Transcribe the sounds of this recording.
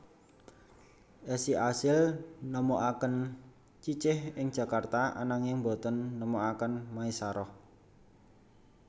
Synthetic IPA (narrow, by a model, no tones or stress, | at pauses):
ʔɛsiʔasɪlnəmoʔakən | t͡ʃit͡ʃɪhɪŋ̥ʒ̥ä̤kart̪aʔa̰naŋɪŋbo̤t̪ɔnːəmoakənmaisaɾɔh